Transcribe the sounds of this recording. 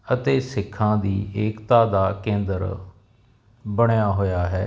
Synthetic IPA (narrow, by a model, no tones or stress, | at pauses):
ət̪eːsɪkʰːãːd̪iːʔeːkt̪aːd̪aːkẽːnd̪əɾ | bəɳjaːɦoːjaːɦɛː